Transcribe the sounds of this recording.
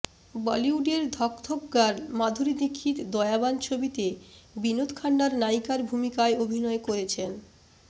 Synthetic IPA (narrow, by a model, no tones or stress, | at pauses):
bɔliuɖeɾd̪ʱɔkt̪ʰopɡaɾmad̪ʱuɾid̪ikʰːit̪d̪ɔeabant͡ɕʰobit̪ebinot̪kʰaɳɖaɾnajkaɾbʱumikaeobʱinɔekoɾet͡ɕʰen